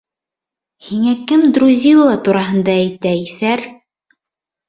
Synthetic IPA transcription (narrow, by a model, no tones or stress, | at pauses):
hiŋækɘmd̪ɾuzʲilˠːɑt̪uɾɑɦɤ̆nd̪ɑæjt̪æiθæɾ